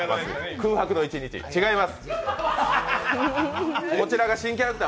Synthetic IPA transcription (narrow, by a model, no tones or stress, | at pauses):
ma̰sɨ̰kɯ̟ːhakɯ̟no̞it͡ɕiɲit͡ɕḭt͡ɕiɡaimasɨ̥ | ko̞t͡ɕiɾaɡaɕĩŋk̬ʲiaɾet̪a